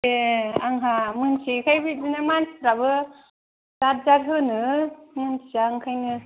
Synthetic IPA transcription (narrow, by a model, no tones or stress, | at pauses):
eaŋɦamɯnsʰikʰajbit̚dinɯmansɾabɯ | z̥at̚zaɾɦɯnɯmɯnsizaːŋkʰajnɯ